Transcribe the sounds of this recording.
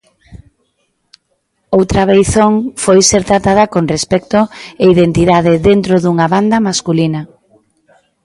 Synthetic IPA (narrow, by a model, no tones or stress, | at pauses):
owt̪ɾɐβejθoŋfojseɾt̪ɾat̪aðɐkonrespɛkt̪ʊeiðent̪iðaðɪðent̪ɾoðuŋaβand̪ɐmaskulinɐ